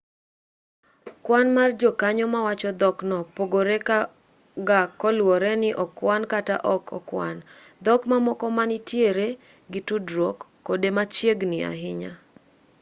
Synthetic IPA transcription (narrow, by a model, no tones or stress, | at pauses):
kwanmard͡ʒokaɲɔmawat͡ʃɔd̪ɔknɔpoɡoɾeka | ɡakɔlwɔɾɛnɪʔɔkwankata̰ʔɔkʰɔ̰kwa̰n | d̪ɔkmamɔkɔmanɪtjeɾe | ɡɪtudɾɔkːodemat͡ʃjeɡnɪa̰ɦɪɲa